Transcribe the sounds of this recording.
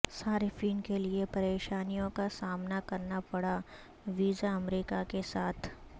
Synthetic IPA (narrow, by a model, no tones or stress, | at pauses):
saːɾfʰiːnkeliepɐɾeːʃaːnijõkasaːmnakɐɾnapɐɽa | ʋiːzaɐmɾiːkakesaːt̪ʰ